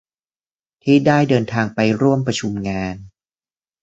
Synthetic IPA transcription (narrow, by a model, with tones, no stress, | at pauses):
t̪ʰiː˥˩daː˥˩jdɤː˧nt̪ʰaː˧ŋpa˧jɾu˥˩əmpɾa˧t͡ɕʰu˧mŋaː˧n